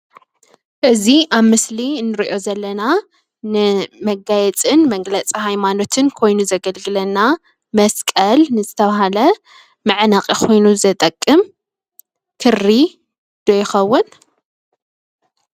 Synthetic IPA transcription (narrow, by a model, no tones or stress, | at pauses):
ʔɨziʔaβmɨslinːɨɾiʔo̞zɐlːɐna | nɨmɐɡajɛt͡sʼɨnmɐɡlɐt͡sʼihajmano̞t̪ʰɨnkʰo̞jnuzɐɡɐlɡɨlɐnːa | mɐskʼɐlnɨzɨt̪ʰɐβaɦalɐ | mɨʕnaqʼikʰo̞jnuzɐt̪ʼɐkʼːɨm | kʰɨrːi | d̪̥ojɪxɐwːʊn